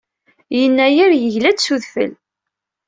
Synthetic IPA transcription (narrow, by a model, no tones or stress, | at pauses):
jənːæjiɾjəʝlæd̪suðfə̰l